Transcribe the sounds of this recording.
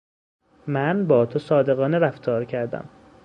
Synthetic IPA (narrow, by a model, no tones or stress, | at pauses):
mænbɒːt̪ʰosɒːd̪e̞ɣɒːneɾæft̪ʰɒːɾcʰæɾd̪æ̰m